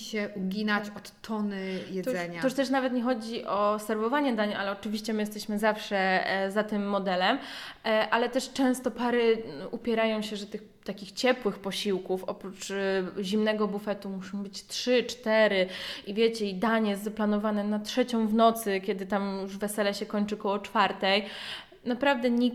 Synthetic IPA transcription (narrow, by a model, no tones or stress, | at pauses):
ɕɛʔuɡʲinat͡ɕɔt̪ːɔnɘjɛt̪zɛɲaɔuʂt̪ɛʂ̬navɛt̪ɲɛxɔd͡ʑiʔɔsɛɾvɔvaɲɛd̪aɲʔa̰lɛɔt͡ʂɘvʲiɕt͡ɕɛmɘjɛst̪ɛɕmɘzafʂɛzat̪ɘmːɔd̪ɛlɛmʔalɛt̪ɛʂt͡ʂɛ̃w̃st̪ɔpaɾɘupʲjɛɾajɔ̃w̃ɕɛʐɛt̪ɘx | t̪akʲixt͡ɕɛpwɘxpɔɕiwkufɔpɾut͡ʂʑimnɛɡɔbufɛt̪umuʂɔ̃w̃bɘt͡ɕtʂɘt͡ʂt̪ɛɾɘivʲjɛt͡ɕɛid̪aɲjɛst̪zaplanɔvanɛnatʂɛt͡ɕɔ̃w̃vnɔt̪sɘkʲɛd̪ɘt̪amjjuʐvɛsɛlɛɕɛkɔɲt͡ʂɘkɔwɔt͡ʂfaɾt̪ɛj | napɾavd̪ɛɲi